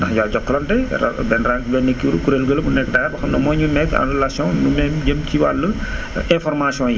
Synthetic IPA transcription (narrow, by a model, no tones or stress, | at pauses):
dɐxɟaːɟɔkːɐlɐntɛɐ̰bɛnɾabɛnːekːiuɾukuɾelɡəlbunɛkːdaːabɐxɐmnɐmɔːɲunɛkːã̰nrɛlasjɔ̃numɛmɟəmciwa̰lːə | ɛ̃fɔɾmasijɔ̃ji